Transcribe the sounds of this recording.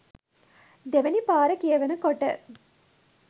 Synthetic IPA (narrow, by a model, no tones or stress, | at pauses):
d̪eʋɐnipaːɾɐkejːʋɐnɐkɔʈːɐ̰